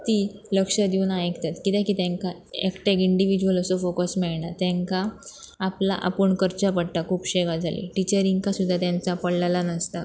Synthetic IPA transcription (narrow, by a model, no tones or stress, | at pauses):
t̪iləkʂəd̪iunajekt̪at̪kit̪ɛ̃kit̪ẽŋka | ekʈekiɳɖiʋid͡ʑuələsofokəsmiɭɳat̪jɛ̃ŋkaː | pla̰ʔa̰pəɳkəɾt͡ɕapəɽʈ̪akʰuːpɕeɡad͡zʱalḭʈit͡ɕəɾiŋɡkasud̪ʱːat̪jãnt͡sapəɽlalanəst̪a